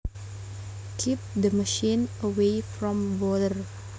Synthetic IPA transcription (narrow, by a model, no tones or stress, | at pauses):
kʰip̚d̪əməʃĩnəweɪfɾɔ̃mbɔdəɹ